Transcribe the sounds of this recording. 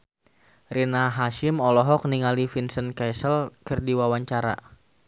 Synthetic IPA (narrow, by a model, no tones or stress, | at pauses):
rinaɦaʃimɔlɔɦɔk̚niŋalifinsənkɛsəlkɨrdiwawaɲt͡ʃaɾa̰